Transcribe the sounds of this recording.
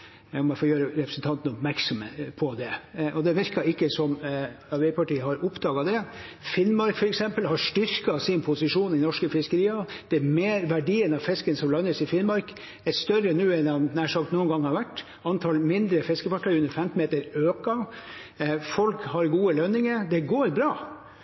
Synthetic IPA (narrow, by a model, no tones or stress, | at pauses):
ɔmɛfoːɾjøːɾəɾɛpɾəsn̩t̪ʰɑnt̪ən̩ɔpmæɾksɔməpʰɔd̪ɛʔɔd̪ɛʋɪɾkɑɪkːəsɔmɑɾʋɛɪpʰɑʈiːəɦɑɾʊpd̪ɑːɡɑd̪ɛfɪnːmɑɾkfɔɾɛksɛmpəlhɑɾʂʈʏɾkɑsɪnpʰʊsɪʂuːnɪnɔʂkəfɪskəɾiːɑd̪̥ɛæɾmeːɾʋæɖiːənɑʋfɪskənsɔmlɑnːəsɪfɪnmɑɾk | æɾst̪œɾənʉːɛnɑnnæːʂɑkt̪nuːənɡɑŋːhɑɾʋæʈː | ɑnt̪ʰɑlmɪnd̪ɾəfɪskəfɑʈʰːɑʉnəɾfɛmt̪ːmeːt̪əɾøːkɑ | fɔlkhɑɾɡuːəlœnɪŋəɾd̪ɛɡoːɾbɾɑː